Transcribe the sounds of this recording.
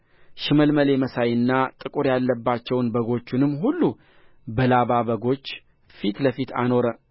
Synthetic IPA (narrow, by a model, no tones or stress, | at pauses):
ʃɪməlməle̞məsajɨnːat̪ʼɨkʼuɾjalːəbːat͡ʃːɛwnbəɡo̞t͡ʃːunɨmːɦulːu | bəlaβabəɡo̞t͡ʃː | fit̪ləfit̪ʰa̰no̞ɾə